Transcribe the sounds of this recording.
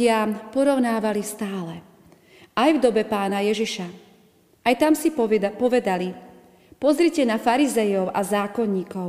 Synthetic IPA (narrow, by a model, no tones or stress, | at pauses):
ɪapɔɾɔʊnaːʋalist̪aːlɛ | ajvd̪ɔbɛpaːnajɛʒiʃa | ʔajt̪amsipɔʋɛd̪ali | pɔzɾicɛnafaɾizɛjɔʊʔazaːkɔɲːiːkɔʊ